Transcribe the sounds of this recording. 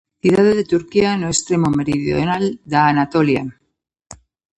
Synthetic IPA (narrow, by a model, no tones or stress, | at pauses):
θiðaðeðet̪uɾkianoest̪ɾe̞mo̞me̞ɾiðjonald̪aːnat̪o̞lja̰